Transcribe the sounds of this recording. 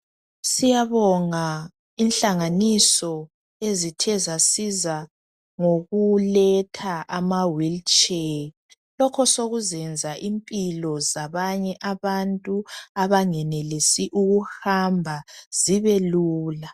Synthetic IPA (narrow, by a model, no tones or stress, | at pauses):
sijaβɔŋa | inɬaŋanisɔ | ezitʰɛzasiza | ŋoɣulɛtʰaʔamawilt͡ʃʼe | lɔkʰɔsoɣuzɛnd͡zʱaʔimpʼilɔzaβaɲɛʔaβantʼuaβaŋɛnɛlesiʔuɣuhambʱaz̥iβɛluːla